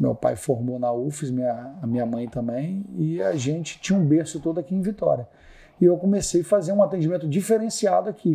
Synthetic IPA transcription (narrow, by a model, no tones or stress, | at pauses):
mḛwpa̰jfoɾmonaufizmĩɲɐːmĩɲɐmɐ̃j̃t̪ɐ̃bẽj̃ɪaʒẽt͡ʃɪ̥t͡ʃĩɲɐũbeɾsʊt̪od̪ʊakiẽj̃vit̪ɔ̰ɾiɐ | ɪewkõmesejfazeɾũat̪ẽd͡ʒimẽnt̪ʊd͡ʒifeɾẽsiad̪ʊakʰi